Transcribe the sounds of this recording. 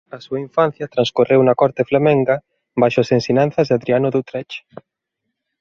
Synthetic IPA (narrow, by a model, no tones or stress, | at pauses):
ɐsuɐiɱfan̟θjɐt̪ɾãnskorewnɐkɔɾt̪eflamɛ̃ŋɡɐ | bajʃʊasensiɲan̟θɐzðaðɾianʊðot̪ɾɛt͡ʃ